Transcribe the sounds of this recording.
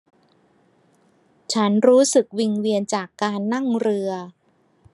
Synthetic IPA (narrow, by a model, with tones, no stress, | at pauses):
t͡ɕʰa˦˥nɾuː˦˥sɯ˨˩k̚wi˧ŋwi˧ənt͡ɕaː˨˩kːaː˧nːa˥˩ŋɾɯ˧ɐ